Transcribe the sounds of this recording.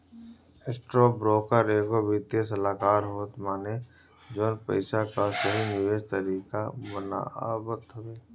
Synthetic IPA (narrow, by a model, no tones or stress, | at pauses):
esʈɾoːbɾoːkəɾeːɡobʱit̪esəlaːkaːɾɦoːt̪maːne | d͡ʒoːnpəɪʃakasɐɦinɪʋeːd͡ʒt̪əɾiːkabəna̰ːbət̪ɦɐʋeː